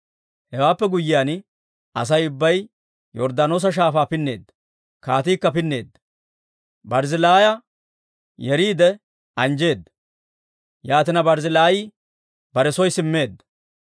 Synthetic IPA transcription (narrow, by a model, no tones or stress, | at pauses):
hɛwaːpːɛɡʊjːɪjaːn | ɐ̰s̬ɐjʊbːɐj | jɔɾd̪anoːs̬ɐʃ̬aːfaːpɪnːe̞̰ːd̪ːɐ̥ | kaːt̪iːkːɐpɪnːe̞̰ːd̪ːɐ̥ | bɐɾzɪlaːjɐ | jɛɾiːd̪ɛ | ɐnd͡ʒe̞ːd̪ːɐ̥ | jaːt̪ɪnɐbɐɾzɪlaːji | bɐɾɛsɔjsɪmːe̞ːd̪ːɐ̥